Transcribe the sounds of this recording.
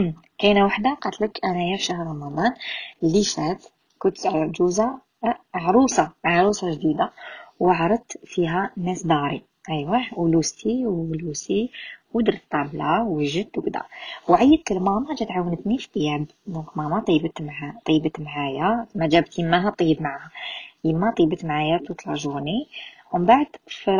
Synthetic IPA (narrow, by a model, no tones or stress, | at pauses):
kænawaħd̪aqɑt̪ləkʔænæjaʃahɾˤɾˤɑmɑd̪ˤɑnlːiʃæt̪ | kʊnt̪d͡ʒuza | mʕɾˤusɑmaʕɾˤusˤɑʒd̪id̪awʕɾˤət̪fiɦænːæsd̪ɑɾˤi | ʔæjwaulust̪iwlusiwəd̪əɾˤət̪ˤːɑblawəʒət̪wbd̪æ̰wʕajːəd̪̚kəlmɑmɑd͡ʒæt̪ʕawːənət̪nifi̥t̪ˤjæb | d̪ɔ̃kmɑmɑt̪ˤibət̪mat̪ˤiːbət̪mʕajamːæd͡ʒæbt̪jəmːaɦat̪ˤijːəbmaʕahajəmːat̪ˤibət̪mʕajæt̪ut̪lɑ̰ʒuniwəmbaʕd̪̥fi